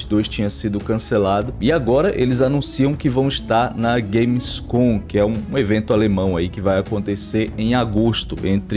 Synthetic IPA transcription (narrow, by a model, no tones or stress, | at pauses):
t͡ʃɪd̪ojʃt͡ʃĩɲɐsid̪ʊkɐ̃selad̪ʊɪaɡɔɾɐʔelɪzanũsiɐ̃w̃kɪvɐ̃w̃ɪʃt̪aɾnɐɡejmskõkɪɛũevẽnt̪ʊalemɐ̃w̃aikɪvajakõnt̪eseɾẽj̃aɡoʃt̪ʊ̰ʔẽnt̪ɾ